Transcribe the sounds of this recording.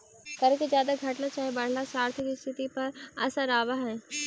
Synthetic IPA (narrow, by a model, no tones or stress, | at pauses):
kɐɾ̃kezjaːd̪aɡʱɐʈlət͡ʃaːɦebɐɽ̤lasaːɾt̪ʰɪkist̪ʰɪt̪ipɐɾɐsãɾaːʋaɦɛ̃